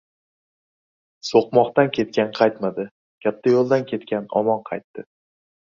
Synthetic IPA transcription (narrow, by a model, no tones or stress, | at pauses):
soqmɒqt̪ankʲʰe̞t̪̚kʲanqʰɑjt̪mad̪ɪ | kʲap̚t̪ʰajolˠd̪ankʲʰe̞t̪kʲʰanɒ̰mɒnqʰɑjt̪ːɪ